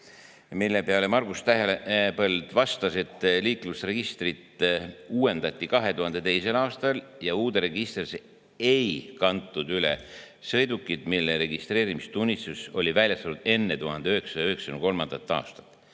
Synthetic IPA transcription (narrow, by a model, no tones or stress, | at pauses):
milːe̞peɑlemɑrɡ̥ust̪æɦelepɤld̪̥vɑst̪ɑse̞t̪ːˑliːklusre̞ɡ̥ist̪rit̪ˑuːe̞nd̪̥ɑt̪ʲːikɑɦe̞t̪uɦɑnd̪̥e̞t̪e̞jse̞lɑːst̪ɑljɑuːd̪eɾe̞ɡist̪rse | ejkɑnt̪ˑːud̪yle̞̰ | sejd̪ukːˑid̪̥milːeɾe̞ɡist̪re̞ːɾimist̪unʲːist̪uso̞lʲivælʲjɑst̪ɑlud̪̥e̞nːet̪uhɑnd̪eøeksɑ̥jɑøɦeksɑ̥nuko̞lmɑnd̪̥ɑt̪ˑːɑ̰ːst̪ɑ̥t̪ːˑ